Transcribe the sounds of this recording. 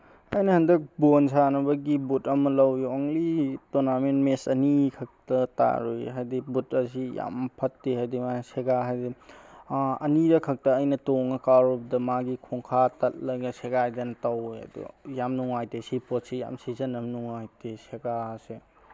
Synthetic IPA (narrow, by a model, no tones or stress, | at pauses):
ɐjnɐhɐndɐk̚bonsʰanɐbɐɡibutɐmɐlɐwjuoŋlitonamenmesɐnikʰɐk̚tɐta̰ɾujɦajdibutɐsija̰mpʰɐtːeɦajdimaseɡaɦajdi | ɐ̰niɾɐkʰɐk̚tɐːjnɐtoŋɐkaɾob̚dɐmaɡikʰoŋkʰatɐt̚lɐjɡɐseɡajdɐnɐtɐwɐ̰dṵjamnuŋajtesipotsija̰msizɐnɐmnuŋajtʰeseɡase